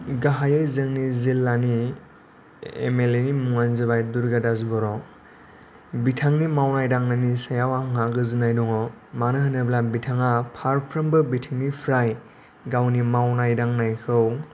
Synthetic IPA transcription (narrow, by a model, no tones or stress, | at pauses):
ɡaɦajɯjzɯŋnizilːani | ḛmelenimuŋanzɯbajduɾɡadazbɔɾɔ | bitʰaŋnimawnajdaŋnanisajawaŋaɡɯzɯnajdɔŋɔ | manɯɦɯnɯblabitʰaŋapʰaɾpʰɾɯmbɯbitʰiŋnipʰɾaj | ɡawnimawnajdaŋnajkʰɯw